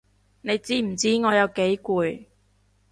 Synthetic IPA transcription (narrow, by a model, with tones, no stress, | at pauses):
ne˨˧jt͡siː˥m̩˨˩t͡siː˥ŋɔː˨˧jɐ˨˧wke˨˥jkuː˨˧j